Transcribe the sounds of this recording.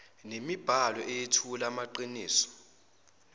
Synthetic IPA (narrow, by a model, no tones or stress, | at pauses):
nemib̥ʱalɔʔejetʰulamaǃiniːsɔ̥